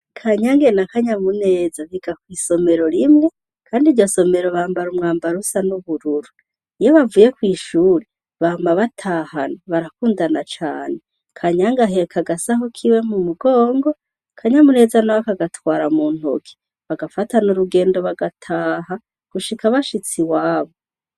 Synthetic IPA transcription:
kʰaɲaŋɡenakaɲamune̞ːzaβiɡakwiːso̞me̞ɾo̞ɾimŋe̞ | kʰaːndiɾjo̞so̞me̞ɾo̞βaːmbaɾumŋaːmbaɾusanuβuɾuɾu | ijoβavuːje̞kwiːʃuːɾe | βaːmbaβatʰaːhanaβaɾakuːndanat͡ʃa̰ːne̞ | kʰaɲaŋɡaɦe̞ekʰaɡasaɦokʰiwe̞mumuɡo̞ːŋɡo̞ | kʰaɲamune̞ːzanaβakaɡatwaːɾamuːn̥ho̰kʰi̥ | βaɡafatanuɾuɡe̞ːndo̞βaɡatʰaːɦa | ɡ̥uʃikʰaβaʃit͡siwaːβo

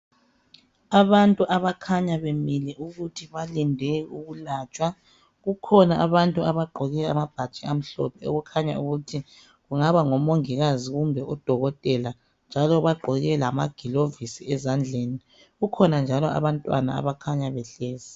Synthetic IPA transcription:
aβantʼuʔaβakʰaɲaβemilɛʔuɣutʰiβalindʱɛuɣulaːt͡ʃʼwa | ɣukʰɔnaʔaβantʼuaβaɡ͡ǃʱɔɣɛamab̥ʱat͡ʃʼiam̩ɬɔ̰pʰɛɔ̰ɣukʰaɲa̰uɣutʰi | ɣuŋaβaŋɔmoŋiɣaziɣumbʱɛʔɔd̥ʱɔɣɔtʼɛla | nd͡ʒʱalɔβaɡ͡ǃʱɔɣɛlamaɡ̥ʱilovisiɛzand͡ɮʱeni | ɣukʰɔnand͡ʒʱalɔa̰βantʼwa̰na̰a̰βakʰaɲaβɛɬɛːzi

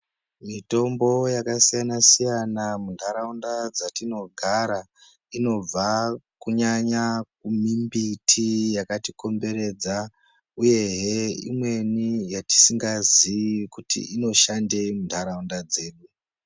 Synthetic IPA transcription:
mito̞mbo̞jakasijanasijanamundʰʱaɾaundad͡zatino̞ɡʱaɾa | ino̞b͡vakuɲaɲak̚umimbitʰijakatiko̞mbe̞ɾe̞d͡za | uje̞ɦeḭmwe̞nijati̥siŋɡaziikutḭino̞ʃande̞mundʰʱaɾaundad͡ze̞ːɗu

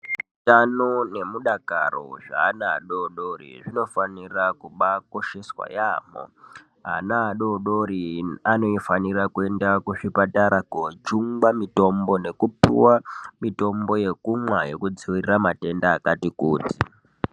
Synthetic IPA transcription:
utanone̞muɗaka̰ro̰ʐa̰ːna̰ːɗoɗo̞rḭʐino̞fanirakuɓako̞ʃe̞swa̰jaːmo̰ | ɦanaːɗoɗoɾiano̞ifanirakue̞ndakuʂipataɾʔaɡʱot͡ʃuŋɡwamito̞mbo̞ne̞kupḭwamito̞mbo̞je̞kumwajo̞kud͡ziwiriramate̞ndaːkatikuːti̥

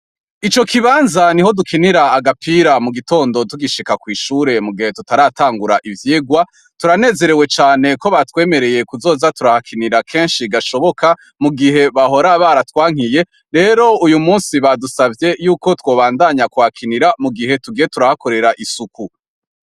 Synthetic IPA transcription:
it͡ʃo̞kʰiβaːnzaniɦo̞dukiniɾaːɡapʰiɾamuɡito̞ːndo̞tuɡiʃikakwiːʃuːɾe̞muɡihe̞tutaɾaːtaːŋɡuɾaʔivjeːɡwa | tuɾane̞ːze̞ɾe̞we̞t͡ʃaːne̞ko̞βatwe̞ːme̞ɾe̞je̞kuzo̞ːzatuɾahakʰiniɾakʰe̞ːnʃiɡaʃo̞βo̞kʰa | muɡiɦe̞βaɦo̞ɾaβaɾatwaːŋ̥ije̞ | ɾe̞ːɾo̞ujumuːnsiβadusavje̞juːko̞two̞ːβaːndaɲakuhakʰiniɾamuɡiɦe̞tuɡije̞tuɾahako̞ɾe̞ɾaʔisuku

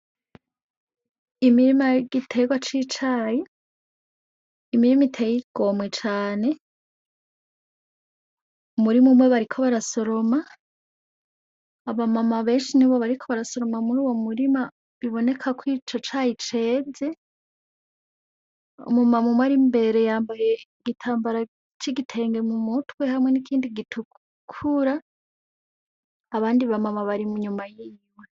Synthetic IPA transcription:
imiɾimaɡitʰe̞ɡwat͡ʃit͡ʃaji | miɾimitʰejiɡ̥omŋet͡ʃaːne̞ | umuɾimumwe̞βaɾikʰo̞βaɾaso̞ɾo̞ma | βamamaβe̞ːnʃiniβo̞βaɾikʰo̞βaɾaso̞ɾo̞mamuɾuːwo̞muɾima | βiβo̞ne̞kʰakwiːt͡ʃo̞t͡ʃaːjit͡ʃe̞ze̞ | ṵmumamumwaɾimbe̞ɾe̞jaːmbaje̞ɡitʰaːmbaɾa | t͡ʃiɡitʰe̞ːŋɡe̞mumutwe̞hamŋe̞nikʰiːndiɡitʰu | kʰuɾa | βaːndiβamamaβaɾimuɲumajimwe

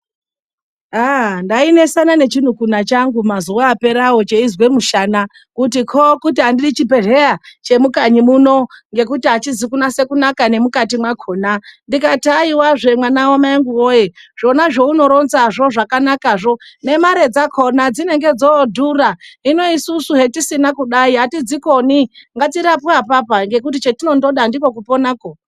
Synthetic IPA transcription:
andaine̞sanane̞t͡ʃin̤ukunat͡ʃaŋɡumazuwaːpe̞ɾawot͡ʃe̞izwe̞muʃana | kut̬ikʰokutiɦandirit͡ʃipe̞ʐerat͡ʃe̞mukaɲimuno̞ŋɡe̞kutiat͡ʃizikunase̞kunakane̞mukatimwakʰo̞nandikataiwaʐe̞mwanawamaeŋɡuwojeʐ̥o̞naʐo̞uno̞ɾo̞nzaʐo̞ʐakanakaʐo̞ne̞maɾe̞d͡zakʰo̞nad͡zine̞ŋɡe̞d͡zodʱuraino̞isusuɦetisinakuɗaiɦatid͡ziko̞niŋɡatiɾapapapaŋɡe̞k̬ut̬it͡ʃetino̞ndo̞ɗandiko̞kupo̞nako

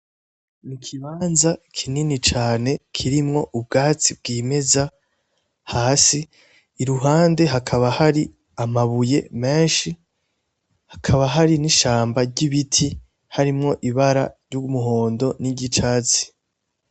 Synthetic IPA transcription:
nikʰiβaːnzakʰininit͡ʃaːne̞kʰiɾimŋo̞ʔub̚ɡaːt͡sib̚ɡiːme̞za | haːsiː | ɾuɦaːnde̞ɦakʰaβahaɾi | amaβuje̞̰me̞ːnʃi | hḁkʰaβaɦaɾiniʃaːmbaɾɟiβitʰi | haɾimŋo̞ʔiβaɾa̰ɾjumuɦo̞ːndo̞niɟit͡ʃaːt͡si̥

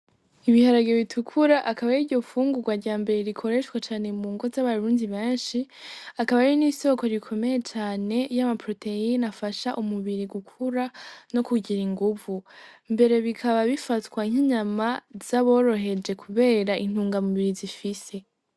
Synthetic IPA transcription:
iβihaɾaɡoβitʰukʰuɾaʔakaβajiɾɟo̞fuːŋɡuɡwaɾɟaːmbe̞ɾe̞ɾikʰo̞ɾe̞ʃwat͡ʃaːne̞muːŋɡo̞zaβaɾuːndiβe̞ːnʃiakaβaɾiniːso̞ko̞ɾikʰo̞me̞je̞t͡ʃaːne̞jamapɾo̞tʰe̞inafaʃaʔumuβiɾiɡukʰuɾano̞kuɟiɾiŋɡuvumbe̞ɾe̞βikʰaβaβifatwaiŋ̥iɲamaz̥aβo̞ːɾo̞ɦe̞d͡ʒe̞kʰuβe̞ːɾaʔin̥huːŋɡamuβiɾizifise̞

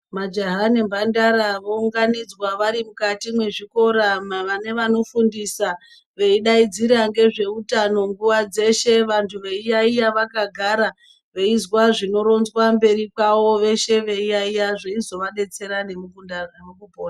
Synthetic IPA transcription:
mad͡ʒaɦanembʱandaɾaʋouŋɡanid͡zwaʋaɾimukatimwe̞ʐiko̞ɾaʋane̞ʋano̞fundisa | ʋe̞iɗaid͡ziɾaŋɡe̞ʐe̞utano̞ŋɡuʋad͡ze̞ʃe̞ʋantʰuʋe̞ijaijaʋakaɡʱaɾa | ʋe̞izwaʐino̞ɾo̞nzwambe̞ɾikawo̞ʋe̞ʃe̞ʋe̞ijaijaʐeizo̞ʋaɗe̞t͡se̞ɾane̞mukundanemukubʱoːna

